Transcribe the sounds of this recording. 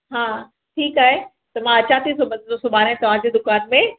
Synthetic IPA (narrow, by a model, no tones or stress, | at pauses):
ɦãː | ʈʰiːkaːɦe | t̪ɐmãɐt͡ɕat̪ʰisobɐ̃nosʊbʱaːɾɦɛ̃t̪ɐʋ̤ãd͡ʑed̪ʊkaːnmẽ